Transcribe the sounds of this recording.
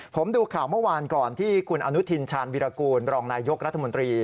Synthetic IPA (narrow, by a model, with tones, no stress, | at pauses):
pʰo˩˦mduː˧kʰaː˨˩wmɯ˥˩˨waː˧nkɔː˨˩nt̪ʰiː˥˩kʰu˧nʔa˧nu˦˥t̪ʰi˧nt͡ɕʰaː˧nwiː˧ɾaː˧kuː˧nɾɔː˧ŋnaː˧jo˦˥k̚ɾa˦˥t̪ʰːa˧mo˧nt̪ɾiː˧